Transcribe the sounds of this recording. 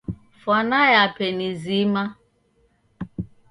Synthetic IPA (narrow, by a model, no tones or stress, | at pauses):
fɔnajapenizima